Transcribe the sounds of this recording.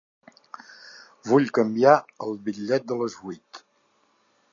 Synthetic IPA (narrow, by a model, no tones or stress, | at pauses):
βuʎkəmbiaəlˠβiʎːɛt̪̚d̪ələzβujt̪